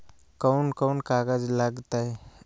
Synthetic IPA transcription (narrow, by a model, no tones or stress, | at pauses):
kəunkəunkaɡad͡zlaɡt̪aj